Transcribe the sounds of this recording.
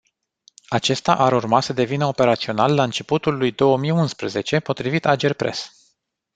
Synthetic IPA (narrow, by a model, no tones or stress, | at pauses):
at͡ʃe̞st̪aʔaɾurmasəd̪e̞vinəo̞pe̞ɾat̪sio̞nalːaɨnt͡ʃe̞put̪ulːujd̪o̞wəmijunspɾəze̞t͡ʃe̞po̞t̪ɾivit̪ad͡ʒerpɾʔe̞̰s